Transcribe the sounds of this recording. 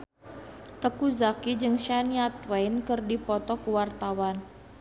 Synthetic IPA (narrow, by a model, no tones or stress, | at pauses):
t̪əkuzakid͡ʒɨŋʃaniat̪wajnkɨrdipɔt̪ɔkuwart̪awan